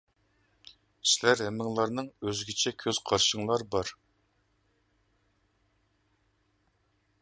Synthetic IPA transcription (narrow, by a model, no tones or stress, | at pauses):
sɪlæɾhɛmːɪŋlˠɑɾnɨŋøzɡʲit͡ʃʰɛkʲʰøz̥qʰɑɾʃəŋlˠɑɾbɑɾ